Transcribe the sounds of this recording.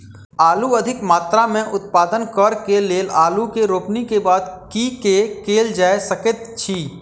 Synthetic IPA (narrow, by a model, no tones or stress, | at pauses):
aːluɐd̪ʱɪkmaːt̪ɾamẽʔʊt̪̚paːd̪ənkəɾkeleːlaːlukeɾoːpnikebaːd̪kikekeːld͡ʒaːesəkət̪t͡ʃʰiː